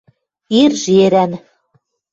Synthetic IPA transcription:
irʒeɾæn

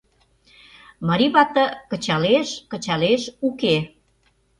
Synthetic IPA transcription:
məɾiβɑt̪ə̆kət͡ɕɑleʃkə̆t͡ɕɑleʃuke

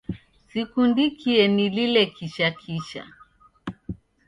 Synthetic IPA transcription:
sikundikʰiɛnililɛkiʃakʰiʃa̰

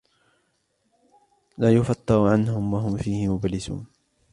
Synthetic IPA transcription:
laːjʊfɑt̪ːɨɾʕanhʊmwaɦʊmfiːhɪmʊbalɪsṵːn

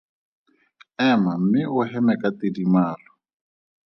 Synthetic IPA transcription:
ɛmam̩mɪʔʊɦɛmɛkatidimaːlɔ

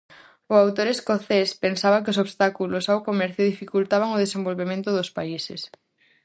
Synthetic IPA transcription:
ʊawt̪oɾeskoθespensaβɐkɪosoβst̪akulʊsawkomɛɾθjʊðifikult̪aβaŋoð̞esembolβemẽnt̪ʊðʊspaisḛs

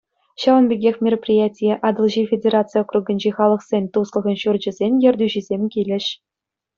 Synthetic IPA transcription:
ɕɑʋɤ̆nbʲeɡʲexʲmʲeroprʲijætʲijeʔɑd̪ɤ̆lˠʑifʲedʲeɾat̪t͡sɨjokruɡʲə̆nʲd͡ʑeχɑlˠɤ̆χsʲenʲt̪uslˠɤ̆ʁɤ̆nɕurd͡ʑɘ̆zʲenʲjɘ̆rʲdʲyʑizʲemʲkʲilʲɘ̆ɕ

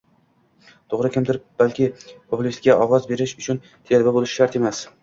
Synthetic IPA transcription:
t̪ʰoʁɾɪkʲʰɪmt̪ʰɪɾɪp̚b̥alkʲɪpʰopʰʊlist̪kʲaʔɒʁɒzbe̞ɾɪʃʊt͡ʃʰʊn | t̪ʰejalbabolˠɪʃɪ̥ʃaɾt̪e̞mas

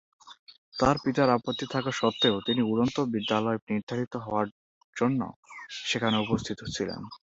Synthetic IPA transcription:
t̪aɾpit̪aɾapot̪ːit̪ʰakaʃɔt̪ːeot̪iniuɾont̪obid̪ːalɔeniɾd̪ʱaɾit̪oɦɔoaɾ | d͡ʑonːo̰ʃekʰaneupost̪ʰit̪ot͡ɕʰilḛn

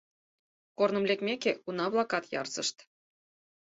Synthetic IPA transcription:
kornɤ̆mlʲekmʲekʲeunɑβlˠɑkɑt̪jɑ̰rzɤ̆ʃt̪

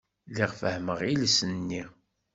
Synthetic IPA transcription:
lɪʁfəhməʁilsənːi

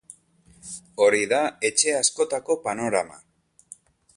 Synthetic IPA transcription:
o̞ɾiðae̞t͡ʃe̞asko̞t̪ako̞pano̞ɾa̰ma̰

